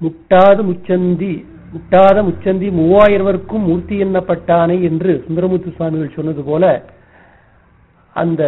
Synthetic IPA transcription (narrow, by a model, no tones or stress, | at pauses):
mʊʈːaːðɐmʊt͡ʃːɐnd̪i | mʊʈːaːðɐmʊt͡ʃːɐnd̪imuːaːjɪɾɐʋɐɾɯkːɯmːʊɾt̪ːɪjɛnːɐpːɐʈːaːnɐɛndrɯsʊnd̪ɐɾɐmuːt̪ːɯsaːmɪɣɐɭsɔnːɐðɯpoːlɐ | ʔɐ̰nd̪ɐ